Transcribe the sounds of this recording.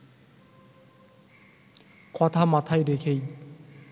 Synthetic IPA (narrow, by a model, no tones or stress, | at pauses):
kɔt̪ʰamat̪ʰajd̪ekʰej